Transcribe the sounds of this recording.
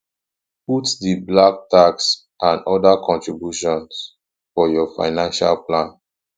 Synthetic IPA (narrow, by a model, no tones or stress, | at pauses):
putdiblak̚taks | ʔãnɔdakʰɔ̃ntɹibjuʃɔ̃ns | fɔjɔfa̰ɪnãnʃalplãn